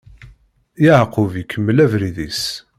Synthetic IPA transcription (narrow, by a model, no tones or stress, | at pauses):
jəʕqʊvikʰːəmːəlævɾiðis